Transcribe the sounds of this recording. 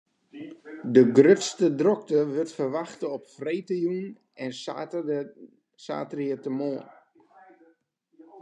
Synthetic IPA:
dəɡrøtstədrɔk̚təʋʏrtfərʋaxtəɔpfrejtəjun | ɛn | sa̰ːtriətəmoən

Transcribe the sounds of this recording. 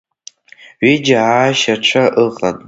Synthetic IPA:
ɥid͡ʒaaːʃaʈ͡ʂʷʰaʔɨχʼan

